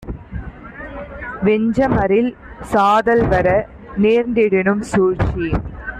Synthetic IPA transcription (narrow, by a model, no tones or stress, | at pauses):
ʋɛɲd͡ʒɐmɐɾɪlsaːðɐlʋɐɾɐ | neːɾnd̪ɪɽɪnɯmsuːɾt͡ʃi